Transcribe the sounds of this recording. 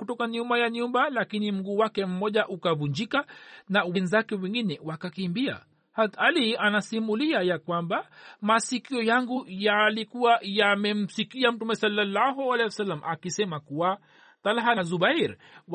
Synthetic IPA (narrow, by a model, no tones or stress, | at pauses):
kutɔkaɲumbajaɲumbalakinim̩ɡuːwakɛm̩mɔʄaʔukavuɲd͡ʒikanauwinizakɛwɛŋɡinɛwakakimbia̰ | hatalianasimuliajakwambamasikiɔjaŋɡujalikuwajamɛm̩sikiam̩tumɛsalːalːaɦualɛɔsalːamʔakisɛmakuwa | t̪alɦaazuɓaɾ